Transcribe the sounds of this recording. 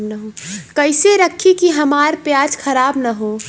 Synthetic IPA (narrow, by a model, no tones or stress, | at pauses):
nəɦokəɪseɾəkʰːikiɦɐmaːɾpjaːd͡ʒkʰəɾaːbnəɦo